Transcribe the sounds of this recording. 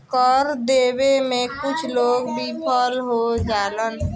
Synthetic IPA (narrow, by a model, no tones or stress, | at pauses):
kɔɾd̪eːbemẽkʊt͡ʃʰloːɡbʱipʰɔlɦod͡ʒaːlən